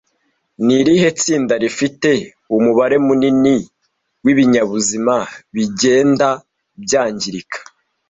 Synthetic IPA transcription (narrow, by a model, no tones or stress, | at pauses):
niɾiɦe̞t͡siːndaɾifite̞ | umuβaɾe̞munini | wiβiɲaβuzimaβiɟe̞ːnda | bjaːɲɟiɾikʰḁ